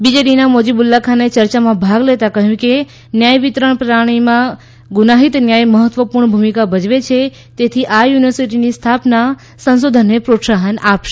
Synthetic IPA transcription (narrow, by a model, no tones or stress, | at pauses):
bid͡ʒeɽinamod͡ʒibulːakʰanet͡ʃəɾt͡ʃamãbʱaɡlet̪akəɦjũke | njajʋit̪ɾəɳpɾaɽ̃imã | ɡunaɦit̪njajməɦət̪ʋəpuɾɳəbʱumikabəd͡ʒʋet͡ʃʰe | t̪et̪ʰiʔajuniʋəɾsiʈinist̪ʰapna | sə̃nsod̪ʱənːepɾot̪saɦənapʃe